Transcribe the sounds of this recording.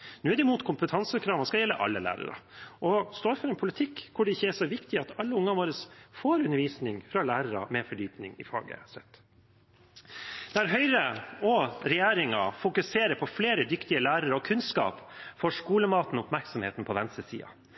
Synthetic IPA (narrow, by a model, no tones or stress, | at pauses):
nʉːæɾd̪ɛɪmuːt̪kʰʊmpət̪ʰɑnsəkʰɾɑːʋəskɑjɛlːə̰ʔɑ̰lːəlæ̰ːɾə̰ɾɑ̰ʔɔst̪oːɾfɔɾɛnpʰʊlɪt̪ʰɪkːkʰːʊɖɛɪçːəæʂɔʋɪkt̪ɪɑt̪ɑlːəʊŋːɑʋoːɾəsfoːɾʉnːəɾʋiːsnɪŋfɾɑlæːɾəɾɑ̰mɛfɔɖyːpnɪŋɪ̰fɑ̰ːɡə̰sɛt̪ː | d̪̥ɛæɾɦœʏɾəɔɾɛjeːɾɪŋɑfʊkʉseːɾəɾpʰɔfleːɾəd̪ʏkt̪ɪəlæːɾəɾɔkʰʉnskɑ̰ːpfɔʂkuːləmɑːt̪n̩ɔʊpmæɾksɔmheːt̪n̩pʰɔʋɛnst̪əsḭːɑ̰